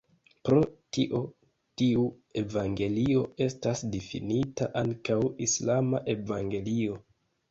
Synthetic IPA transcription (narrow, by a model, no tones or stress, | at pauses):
pɾo̞tiʔo̞ | tiu | e̞vaŋɡe̞lio̞e̞stasdifḭnitaʔaŋkawislamaʔe̞vaŋɡe̞lio̞